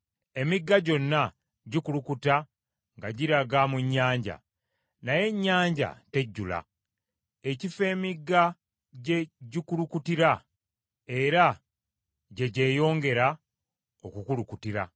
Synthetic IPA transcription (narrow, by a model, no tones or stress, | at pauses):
e̞miɡːaɟo̞nːa | ɟikulukuta | ŋɡaɟiɾaɡamuɲːaːɲɟa̰ | naje̞ɲːaːɲɟa̰te̞ɟːula̰ | ecife̞ːmiɡːa | ɟe̞ɟikulukutiɾa | e̞ɾa | ɟe̞ɟe̞ːjo̞ːŋɡe̞ɾa | okukulukutiɾa